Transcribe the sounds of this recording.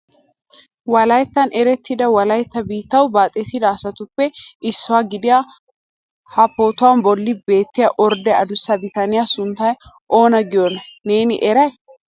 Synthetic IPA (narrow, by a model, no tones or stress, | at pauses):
wɐlɐjt̪ːɐnɛɾɛt̪ːɪd̪ɐwɐlɐjt̪ːɐbiːt̪ːɐwbaːt̪ʼːet̪ɪd̪aːsɐt̪ʊpːɛʔɪsːʊwaːɡɪd̪ɪja | hɐpːoːt̪ʊwɐnbɔlːɪbe̞ːt̪ːɪjɐʔɔɾd̪ɛɐd̪ʊsːɐbɪt̪ɐnɪjasʊnt̪ːɐj | ʔo̞ːnɐɡɪjɔnɐne̞ːnɪ̰ʔɛɾɐj